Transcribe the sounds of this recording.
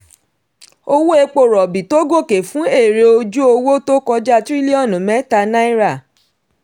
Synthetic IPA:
o˧wo˦e˧k͡po˦˨ɾɔ˨bi˨to˦ɡo˦˨ke˨fũ˦e˦˨ɾe˧o˧d͡ʒu˦o˧wo˦to˦kɔ˧d͡ʒa˦tɾi˦li˦ɔ˦˨nũ˨mɛ̃˨˦ta˧na˦i˦ɾa˦˨

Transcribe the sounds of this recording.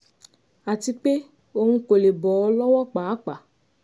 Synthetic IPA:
a˨ti˧k͡pe˦ | o˧ŋũ˦ko˨le˨bɔ˨˦lɔ˦wɔ˦k͡pa˨a˦k͡pa˨

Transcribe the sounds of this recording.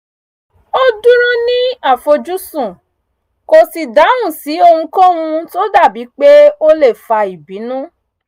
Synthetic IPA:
o˦dũ˦ɾ̃ɔ̃˦nĩ˦a˦˨fo˧d͡ʒu˦sũ˦˨ | ko˧si˧da˨˦wũ˦˨si˨˦o˧hũ˧kɔ̃˦ũ˧to˦da˦˨bi˨˦k͡pe˦o˦le˦˨fa˧i˨bi˨˦nũ˦

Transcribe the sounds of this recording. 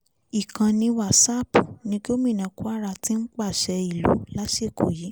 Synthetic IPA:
i˨kã˧nĩ˧wa˦˨sa˦pu˨nĩ˧ɡo˦mĩ˦˨nã˨ku˦a˦˨ɾa˧tĩ˦n̩˦k͡pa˦˨ʃɛ˧i˨lo̰˨˦la˦ʃe˦˨ko̰˨ji˨˦

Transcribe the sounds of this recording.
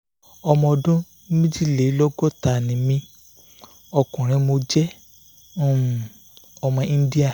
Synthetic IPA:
ɔ˧mɔ̃˧ɔ˧dũ˦ | nĩ˦mĩ˦d͡ʒi˦le˨˦lɔ˦ɡɔ˦ta˨nĩ˨mĩ˧ | ɔ˧kũ˨ɾ̃ĩ˧mo˧d͡ʒɛ̃˦˨ | ɔ˧mɔ̃˧ĩ˦n˦di˦a˦˨

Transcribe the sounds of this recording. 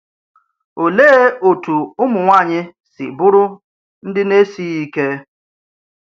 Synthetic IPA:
o˨le˦o˨tu˨ʊ˦mʊ˨ŋʷa˦˨ɲɪ˦sɪ̰˨bʊ˦ɾʊ˦ | n̩˦dɪ˦ne˦si˦i˦ke˦

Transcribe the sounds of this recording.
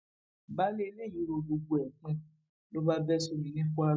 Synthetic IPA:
ba˦le˦i˧˦le˦˨ji˨˦ɾo˧bo˧ɡu˨˧˨ɛ˨k͡pũ˧ | lo˦ba˦bɛ˦su˧nĩ˨nĩ˦fu˦a˧

